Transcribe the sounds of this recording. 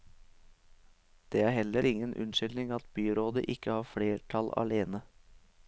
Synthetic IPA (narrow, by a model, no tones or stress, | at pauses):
d̪̥eːæːɾhɛləɾʔɪŋənʔʉ̰nʃʏld̪nɪŋɑt̪byːɾoːd̪ə̰ʔɪkəhɑːfɽeːʈʰɑlɑ̰leːnə